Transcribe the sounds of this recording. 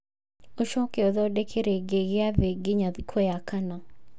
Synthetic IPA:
oʃɔkeɔðɔdekʰeɾeɡeɡɪaveɡɪɲakʰojakanɔ

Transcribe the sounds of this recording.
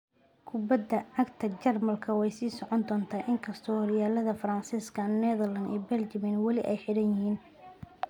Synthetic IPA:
kʰʊbɐd̪ːɐɐkt̪ʰɐt͡ʃɐrmɐlkʰɐwɛjsiːsɔʕɔnd̪ɔːnt̪ʰaːʔɪŋkʰɐst̪ʰɔːhɔɾɪjaːlɐðɐfɾɐnsiːskʰɐnnɛðɐlɐnḭːbɛlt͡ʃɐmɪnwɐlɪʔɛjħɪɽɐnjɪhiːn

